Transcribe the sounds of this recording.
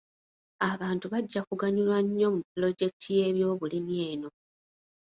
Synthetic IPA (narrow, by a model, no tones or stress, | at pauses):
aβaːntuβaɟːakuɡaɲulwaɲːo̞muplo̞ɟe̞kitʰije̞βjo̞ːβulimje̞ːno̞